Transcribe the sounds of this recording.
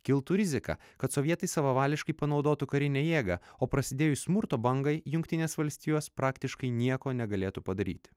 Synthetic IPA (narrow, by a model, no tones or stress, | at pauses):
kʲɪlˠt̪uɾʲɪzʲɪkɑ̰ | kɐt̪sɔʋʲiɛt̪ɐɪsɐʋɐʋɑːlʲɪʃkɐɪpɐnɒʊd̪oːt̪ʊkɐɾʲɪnʲɛːjeːɡɐoːpɾɐsʲɪd̪ʲeːjʊsʲmʊɾt̪oːbɐŋɡɐɪjʊŋʲkʲt̪ʲɪnʲeːsʋɐlʲsʲt̪ʲiːjoːspɾɑːkt̪ʲɪʃkɐɪnʲiɛkoːnʲɛɡɐlʲeːt̪upɐd̪ɐɾʲiːt̪ʲ